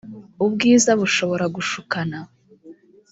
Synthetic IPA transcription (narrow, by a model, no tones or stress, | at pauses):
ubɡiːzaβuʃo̞βo̞ɾaɡuʃukana